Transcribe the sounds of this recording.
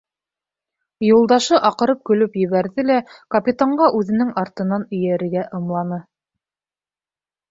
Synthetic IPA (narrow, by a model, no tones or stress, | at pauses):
julˠd̪ɑʃɤʔɑqɤ̆ɾɤp̚kɵ̆lɵpjɵ̆βæɾðɘlækɐpʲit̪aɴɢɑʔʉðɘ̆nɘŋɑɾt̪ɤ̆nɑnɵ̆jæɾɘ̆ɾɡæʔɤ̆mlˠɑnɤ